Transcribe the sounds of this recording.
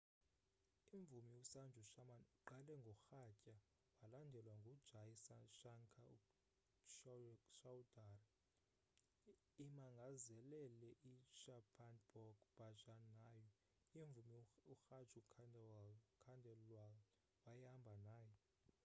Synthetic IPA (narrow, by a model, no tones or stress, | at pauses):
iɱvumiusand͡ʒʱuʃaaǃalɛŋɡʱɔxacʼa | walandʱɛlwaŋɡʱud̥ʒ̥ʱasaʃaŋkʰau | ʃʃawudar | imaŋɡʱazɛlɛlɛʔiʃapʰanb̥ɔɡb̥at͡ʃʼanajɔ | iɱvumiuxat͡ʃʼukʰandɛwalkʰandʱɛlwal | wajambʱanaːjɔ